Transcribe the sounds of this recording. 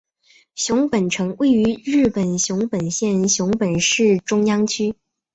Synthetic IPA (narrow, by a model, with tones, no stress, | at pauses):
ɕjʊ˧˥ŋpə˨˩nʈ͡ʂʰɤ˧˥ŋwe˥˩ɪy˧˥ɻɻ̩˥˩pə˨˩nɕjʊ˧˥ŋpə˨˩nɕjɛ˥˩˧nɕjʊ˧˥ŋpə˨˩nʂɻ̩˥˩ʈ͡ʂʊ˥ŋjɑ˥ŋt͡ɕʰy˥